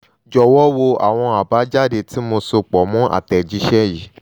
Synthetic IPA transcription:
d͡ʒɔ˧˨wɔ˦wo˧a̰˨w̃ɔ̃˧a˨ba˨˦d͡ʒa˦˨de˨ti˨˦mo˧so˧k͡pɔ˨mũ˦ʔa̰˦˨tɛ˨d͡ʒi˨˦ʃɛ˦ji˨˦

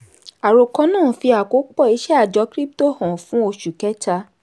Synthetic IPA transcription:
a˨ɾo˧kɔ̃˧nãː˦˨fi˧a˨ko˨˦k͡pɔ˦˨i˨˦ʃɛ˦a˦˨d͡ʒɔ˨˧˦kɾi˦p̚to˦hɔ̃˨fũ˨˦o˧ʃu˨kɛ˨˦ta˧

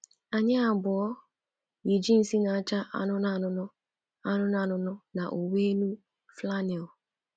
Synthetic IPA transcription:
a˨ɲɪ˦a˨bʊ˨ɔ˦ | ji˨d͡ʒi˦n̩˨si˦na˨a˦t͡ʃa˦ʔa̰˦nʊ˦na˦˨nʊ˦nʊ˦ | a˦nʊ˦na˨nʊ˨nʊ˦na˨ʔo˨we˦nu˦ | fla˦ni˨

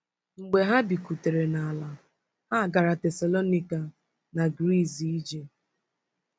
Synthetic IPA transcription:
ŋ͡m̩˨ɡ͡be˨ɦa˦bi˨ku˨te˨ɾe˨na˨a˨la˨ | ha˦˨ɡa˨ɾa˨tɛ˨sa˨lo˦ni˦ka˨ | na˨ɡɾi˦˨zi˦i˦d͡ʒe˨

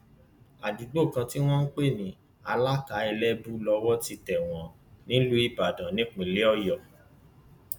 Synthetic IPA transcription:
a˨du˨˦ɡ͡bo˦˨kã˧ti˦w̃ɔ̃˦n̩˦k͡pe˦˨nĩ˨˦ | a˧la˦ka˨˦ɛ˧lɛ˦bu˦lɔ˧wɔ˦ti˧tɛ˨w̃ɔ̃˧˦ | nĩ˦lu˦i˦˨ba˨dã˨˦nĩ˨˦k͡pĩ˨le˦ɔ˦˨jɔ˨

